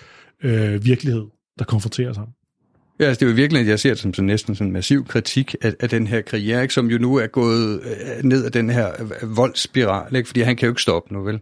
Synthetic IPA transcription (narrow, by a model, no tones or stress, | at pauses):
øʋiɐɡ̥lihe̝ð̞̰ˠ | d̥ɑ̈kʰɒ̽nfʁɔ̽nt͡sʰe̝̰ːɐsɑ̈m̰n̩ | jæælsəd̥e̝iʋiɐɡ̥lienjɑ̈ɪse̝ɐ̰d̥e̝sɒ̽msɒ̽nːesd̥n̩sɒ̽n̩mæsiʊ̰kʰʁit͡sʰiɡ̥ææd̥enɦeɐ̰kʰʁieɐe̝ɡ̥sɒ̽mjo̝nuæɐɡ̥ɔ̰̽ːð̞̩ˠne̝ð̞̰ˠæd̥enheɐ̰ʋɒ̽l̰sb̥iʁɑ̰̈ːləe̝ɡ̥fɒd̥ḭːɦænkʰæjo̝e̝ɡ̥sd̥ɒ̽b̥ənuʋel